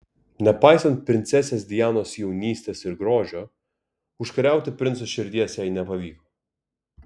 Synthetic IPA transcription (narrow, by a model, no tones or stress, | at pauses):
nʲɛpɑjsɐnt̪̚pʲɾʲɪnt̪sʲɛsʲɛsd̪ʲɪjaːnɔːsjɛwnʲiːsʲt̪ʲɛsɪɾɡɾoːʒʲo | ʊʃkɐɾʲæˑʊt̪ʲɪpʲɾʲɪnt̪sɔʃʲɪɾʲd̪ʲiɛsʲɛjnʲɛpɐʋʲiːkɔ